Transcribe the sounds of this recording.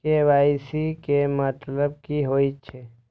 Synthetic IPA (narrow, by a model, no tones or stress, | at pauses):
keʋajsikemət̪ləb̚kiɦoːit͡ʃʰe